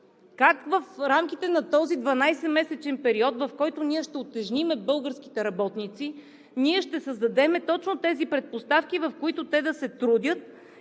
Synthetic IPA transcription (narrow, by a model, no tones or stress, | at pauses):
kakvɐfɾamkit̪ɛnɐt̪ɔzid̪vɐnajsɛmɛsɛt͡ʃɛnpɛɾiɔt̪vɐfkɔjt̪ʊniɛʃt̪ɛot̪ɛʒnimɛbɤlˠɡəɾsk̟i̥t̪ɛɾɐbɔt̪nit̪si | niɛʃt̪ɛsəzd̪ɐd̪ɛmɛt̪ɔt͡ʃnot̪ɛzipɾɛt̪̚post̪afkivɐfkoit̪ʊt̪ɛd̪ɐsɛt̪ɾud̪ʲjət̪̚